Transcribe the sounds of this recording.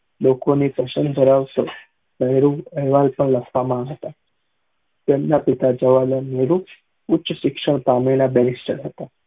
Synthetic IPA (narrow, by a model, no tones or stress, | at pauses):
lokonipəsənb̪ʱəɾaʋt̪o | meɦɾuəjʋalpəɳləspamaɳɦət̪a | t̪enːapit̪ad͡ʑəʋalaneɾu | utːɕəɕikʂəɳ̃pamiɽ̃abɛɾisʈəɾɦət̪a